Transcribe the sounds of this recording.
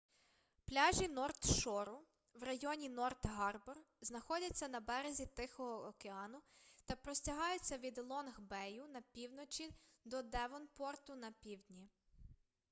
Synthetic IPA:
plʲɑʒʲinɔrt̪ʃɔɾʊ | wrɐjɔnʲinɔrt̪ɦɑrbɔr | znɐxɔdʲɐt͡sʲːɐnɐbɛɾezʲit̪ɪxɔɦɔːkeɑnʊt̪ɐpɾɔsʲtʲɐɦɑjʊt͡sʲːɐʋʲid̪lˠɔnɣbɛjʊnɐpʲiwnɔt͡ʃʲid̪ɔd̪ɛʋɔnpɔrt̪ʊnɐpʲiwd̪ʲnʲi

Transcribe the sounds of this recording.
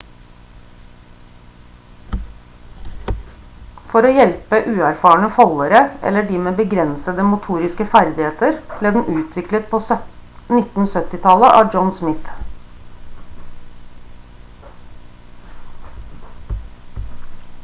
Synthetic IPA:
fɔɾoːjɛlpəʔʉːæɾfɑːɳəfɔləɾəʔɛ̰lːəɖiːmeːbəɡɾɛnsəd̪əmʊt̪ʰuːɾɪskəfæɾd̪ɪheːt̪əɾb̥leːd̪n̩ʔʉːt̪ʰʋɪklət̪̚pʰoːnɪt̪n̩sœt̪ɪt̪ʰɑləʔɑ̰ːd͡ʒɔnsmɪt̪

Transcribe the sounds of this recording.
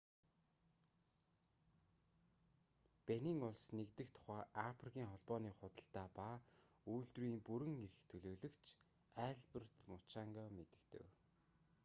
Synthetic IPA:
pæniːŋʊɮsnekt̪ɘ̆kt̪ʰʊ̥χæːʔafrikʲʰiːŋχɔɮpɔːniːχʊt̪ə̆ɬt̪aːpauːɮt̪riːmpuɾɘ̆ŋeɾɘ̆xt̪ʰɵɮoːɮɵ̆kt͡ɕʰ | æːɮpə̆rt̪mʊt͡ɕaŋɡɔːmet̪ɘ̆kt̪ɘ̰̆w

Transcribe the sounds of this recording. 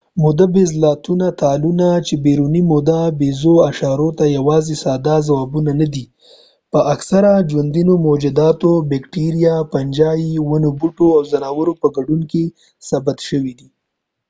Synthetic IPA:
mʊd̪abezlɑt̪unat̪alunat͡ʃebeɾunimʊd̪abezoaʃɑɾot̪ajawɑzesɑd̪azawɑbunanad̪i | pəʔaksaɾad͡ʒwand̪inomod͡ʒɪd̪ɑt̪obekʈiɾijapand͡ʒɑjiwanobuʈoawzanɑwəɾopəɡaɖunke | sabat̪ʃəwid̪i

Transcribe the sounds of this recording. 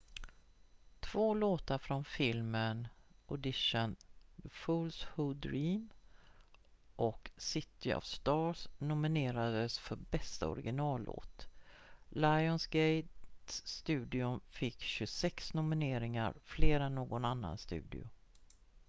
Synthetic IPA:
t̪ʰv̥oːloːt̪aɾfɾɔnfɪlmənʔɔd̪ɪʂənðəfulshʊd̪ɾiːm | ʔɔksɪt̪ɪɔ̰vst̪ɑːsnʊmɪneːɾad̪əsfœɾbɛst̪a̰ɔ̰ɾɪɡɪnɑːlːo̰ːt̪ | laɪɔnsɡɛjt̪st̪ʉ̟ːd̪ɪʊnfɪkːɕɵsɛksnʊmɪneːɾɪŋa̰ɾfleːɾanːoːɡɔnanːa̰nst̪ʉ̟̰ːd̪ɪ̰ʊ̰

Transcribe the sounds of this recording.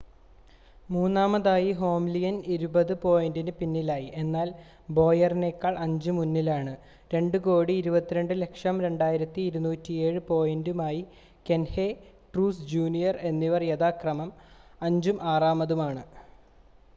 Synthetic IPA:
muːnːaːmɐðaːjiɦo̞ːmlijɐniɾubɐðɨpo̞ːjendinɨpinːilaːjiʔe̞nːaːl | bo̞ːjɐrneːkːɐɭɐɲd͡ʑumunːilaːɳɨ | ɾe̞ɳɖɨko̞ːɽiːɾubɐt̪ːiɾe̞ɳɖɨle̞kʂɐmɾe̞ɳɖaːjiɾɐt̪ːiːɾunuːtːie̞ːɻɨpo̞ːjendumaːji | ke̞nhe | ʈruːsd͡ʑuːnijɐre̞nːiʋɐrjeðaːkrɐmɐmɐɲd͡ʑumʔaːraːmɐðumaːɳɨ

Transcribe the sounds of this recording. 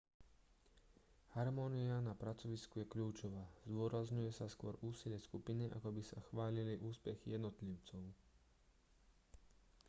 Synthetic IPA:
haɾmɔːnianapɾat͡sɔʋiskujɛkʎuːt͡ʃɔʋaːzd̪ʊɔɾazɲujɛsaskʊɔɾʔuːsilɪjɛskupiniʔa̰kɔbisaxʋaːliliʔuːspɛxijɛd̪nɔt̪liʊt͡sɔʊ

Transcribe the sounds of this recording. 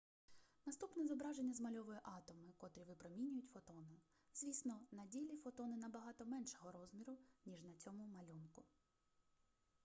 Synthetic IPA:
nɐst̪upnɛzɔbɾɑʒenʲːɐzmɐlʲɔʋɔjɛʔɑt̪ɔmɪkɔt̪ɾʲiʋɪpɾɔmʲinʲʊjʊtʲfɔt̪ɔnɪ | z̥ʋʲisnɔnɐdʲilʲifɔt̪ɔnɪnɐbɐɦɑt̪ɔmɛnʃɔɦɔɾɔzmʲiɾʊnʲiʒnɐt͡sʲɔmʊmɐlʲunkʊ

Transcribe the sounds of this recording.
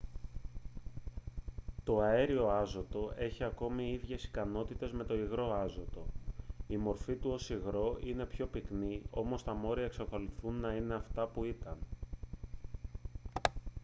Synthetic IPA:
t̪o̞ɐe̞ɾio̞ɐzo̞t̪o̞e̞çiɐko̞miiðʝe̞si̥kɐno̞t̪it̪e̞zme̞t̪o̞iɣɾo̞ɐzo̞t̪o̞imo̞ɾfit̪uo̞siɣɾo̞ʔine̞pço̞piknio̞̰mo̞st̪ɐmo̞ɾiɐekseko̞liθunːɐine̞ɐft̪ɐpuit̪ɐn

